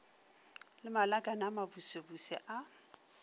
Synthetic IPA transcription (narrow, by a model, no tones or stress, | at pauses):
lɪmalakʼanamabusebusɛʔa